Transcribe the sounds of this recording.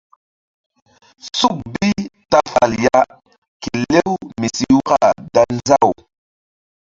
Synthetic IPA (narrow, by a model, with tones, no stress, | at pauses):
su˦k̚bi˦ta˦fa˨lja˦ | ki˨le˦wmi˨si˦wka˦˨da˦n˦za˦˨w